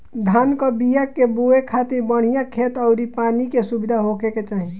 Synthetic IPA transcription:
d̪ʱaːnkəbijakeboekʰat̪iɾbəɽ̤ijãkʰeːt̪əʊɾipaːnikesubid̪ʱaɦokeket͡ʃaːɦi

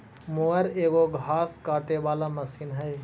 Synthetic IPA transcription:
moːəɾeːɡoɡʱaːskaːʈeʋaːlaməsiːnɦəj

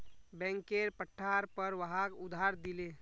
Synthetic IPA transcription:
bɛ̃ŋkeɾpəʈʰːaɾpəɾʋəɦakʊd̪ʱɦaɾd̪ile

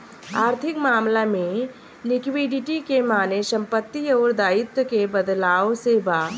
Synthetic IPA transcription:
aːɾt̪ʰɪkmaːmlamẽ | nɪkwiɖɪʈikemaːnesə̃mpət̪ːiɔːɾd̪aːɪt̪wəkebəd̪laːosebaː

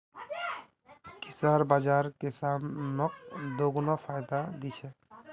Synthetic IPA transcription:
kisaɾbad͡ʒaɾkesamnɔk̚d̪oɡunɔpʰajd̪ad̪it͡ʃʰɛ

